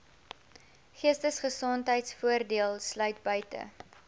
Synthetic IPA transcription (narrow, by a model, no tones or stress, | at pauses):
χiəstəsχəsɔntɦəjtsfuərdiəlˠslœɥt̚bœɥtə̰